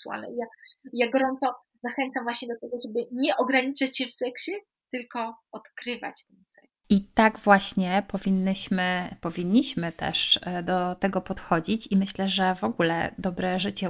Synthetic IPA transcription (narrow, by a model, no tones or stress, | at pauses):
suwa̰lnɛ̰ijajaɡɔɾɔnt̪sɔ | zaxɛnt̪samvwaɕɲɛd̪ɔt̪ɛɡɔʐɛbɘɲɛʔɔɡɾaɲit͡ʂat͡ɕɕɛfsɛkɕɛ | t̪ɘlkɔɔt̪kɾɘva̰t͡ɕt̪ɛnsɛ | it̪aɡvwaɕɲɛpɔvʲinːɕmɘpɔvʲiɲːiɕmɘt̪ɛ̰ʂd̪ɔt̪ɛɡɔpɔt̪xɔd͡ʑit͡ɕimɘɕlɛʐɛvɔɡulɛ̰d̪ɔbɾɛʐɘt͡ɕɛ